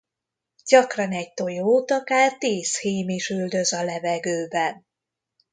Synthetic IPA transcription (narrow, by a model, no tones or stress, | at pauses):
ɟ̥ɒkrɒnɛɟ̚t̪o̞joːt̪ɒkaːrt̪iːsheːmiʃyld̪ø̞zɒlɛvɛɡøːbɛn